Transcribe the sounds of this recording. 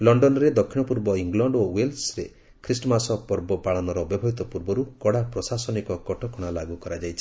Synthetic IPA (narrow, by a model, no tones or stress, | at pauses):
lɔɳɖɔnɔɾed̪ɔkʰːiɽ̃ɔpuɾbɔiŋɡlɔɳɖowelsɾe | kʰɾisʈɔmasɔpɔɾbɔpaɭɔnɔɾɔbjɔbʱɔɦit̪ɔpuɾbɔɾukɔɽapɾɔsasɔnikɔkɔʈʰɔkɔɽ̃alaɡukɔɾad͡ʒajt͡ʃʰi̥